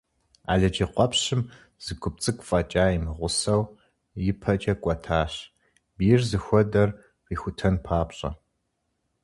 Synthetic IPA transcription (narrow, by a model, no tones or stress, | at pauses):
a̰ːɮɐd͡ʒiqʷʼɔpɕɪm | z̥ɨɡʷʊp̚t͡sʼɨkʷʼfʼɐt͡ʃʼaːimɨʁʷʊsɐw | jɪpʰɐt͡ʃʼɐkʷʼɔtʰaːɕ | biːrzɨxʷɔdɐr | riːxʷʊtʰɐnpʰaːpɕʼɐ̰